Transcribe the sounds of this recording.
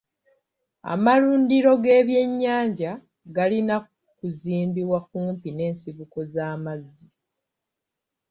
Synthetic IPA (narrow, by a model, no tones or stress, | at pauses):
a̰maɾuːndiɾo̞ɡe̞ːβje̞ɲːaːɲɟa | ɡalina | kuziːmbiβwakuːmpine̞ːnsiβuko̞zaːmazːi